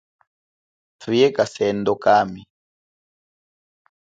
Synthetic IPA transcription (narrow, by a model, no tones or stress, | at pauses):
tʰujɛkasɛndɔkami